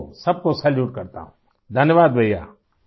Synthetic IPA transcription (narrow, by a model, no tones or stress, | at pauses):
sɐb̚kosɐljuːʈkəɾt̪a̰ːɦũ | d̪ʱənjəʋaːd̪bʱəija̰ː